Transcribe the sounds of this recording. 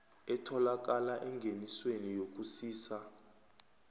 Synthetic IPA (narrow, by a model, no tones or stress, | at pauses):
ɛtʰɔlak̬alaʔɛŋɡʱeniswenijok̬ʼusiːsa